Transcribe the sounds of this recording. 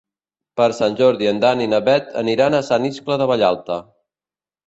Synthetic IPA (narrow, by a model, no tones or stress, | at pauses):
pəɾsanʲʒɔɾðiənd̪aninəβɛt̪ʰə̰niɾanəsaniskləðəβəʎalˠt̪ə